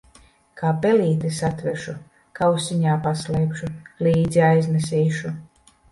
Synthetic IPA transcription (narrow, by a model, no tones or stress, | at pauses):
kaːpɛliːt̪esat̪vɛʃu | kawsiɲaːpaslɛjpʃuliːd̪ziajznɛsiːʃu